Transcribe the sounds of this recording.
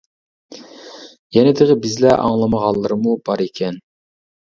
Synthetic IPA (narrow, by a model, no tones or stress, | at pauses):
jɛnɪd̪ɪʁɪbɪzlɛʔɑ̰ŋlˠɑmɑʁɑlˠːɨɾmubɑɾekʲʰɛn